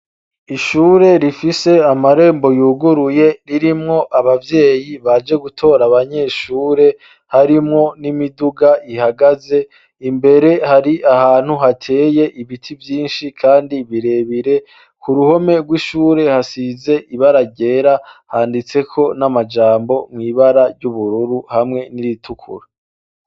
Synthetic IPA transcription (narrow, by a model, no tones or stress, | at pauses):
iʃuːɾe̞ɾifise̞amaɾe̞ːmbo̞juːɡuɾuje̞ɾiɾimŋo̞ʔaβavje̞ːjiβad͡ʒe̞ɡutʰo̞ːɾaβaɲe̞ʃuːɾe̞ | haɾimŋo̞nimiduɡaʔihaɡaze̞ | imbe̞ɾe̞haɾiʔahaːn̥huɦatʰe̞ːje̞ʔiβitʰivjiːnʃikʰaːndiβiɾe̞βiɾe̞ | kuɾuho̞me̞ɡwiʃuːɾe̞hasize̞ʔiβaɾaɟe̞ɾahaːndit͡se̞kʰo̞namad͡ʒaːmbo̞mŋiːβaɾaɾɟuβuɾuɾuhamŋe̞niɾitʰukʰṵɾa